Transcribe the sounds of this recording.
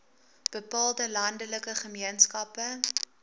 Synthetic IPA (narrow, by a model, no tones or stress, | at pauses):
b̥əpɑːlˠdəlɐndələkəχəmiənskɐpə